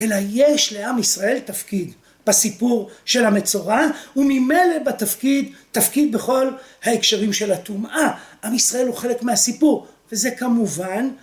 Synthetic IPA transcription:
ʔe̞lajeʃle̞amisʁae̞lt̪afkid̪ | b̥asipuʁʃe̞lamet͡so̞ʁaumime̞jle̞bat̪afkid̪tafkid̪̚be̞χo̞lhaekʃeʁimʃe̞lat̪umʔaʔamisʁae̞lhuχe̞le̞kmeasipuʁve̞ze̞kamuvan

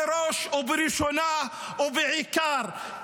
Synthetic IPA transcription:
ɾoʃwbiɾiʃuna | wbiʕikɑːɾˤ

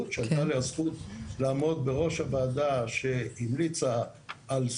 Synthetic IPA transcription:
t̪ʃealt̪aleazχut̪laːmo̞d̪̚beʁo̞ʃhabaːd̪aʃe̞imlit͡saː | ls

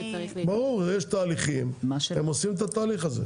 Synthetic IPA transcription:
ibaʁuʁjeʃt̪aːliχimemosimet̪at̪aːliχazḛ

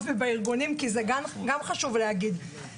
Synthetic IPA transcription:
vebaiʁɡunimkizeɡanɡamχaʃuvlehaɡid̪

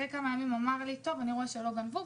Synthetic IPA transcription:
ejkamajamimamaʁlit̪o̞vaniʁoeʃelo̞ɡanvu

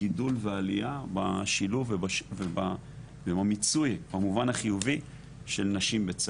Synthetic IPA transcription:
idulvealiabaʃiluvebʃveba | bemamit͡sujbamuvanaχijuvi | ʃelnaʃimbet͡s

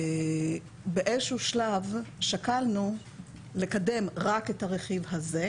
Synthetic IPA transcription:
beʔezʃuʃlavʃakalnu | le̞kade̞mʁakethaʁeχivhaze̞

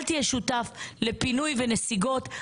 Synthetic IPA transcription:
lt̪ieʃutafle̞pinujvenesiɡo̞t̪

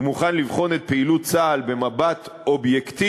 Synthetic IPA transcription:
muχanlivχo̞net̪̚peilutt͡saːlbe̞mabatʔobjekt̪i

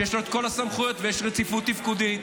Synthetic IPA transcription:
jeʃloet̪ko̞lasamχujot̪vejeʃʁet͡sifut̪ːifkud̪i

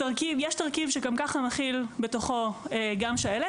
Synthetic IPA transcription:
taʁkivjɛʃtaʁkivʃekomkaχamaχilbeto̞χo̞eɡamʃaele

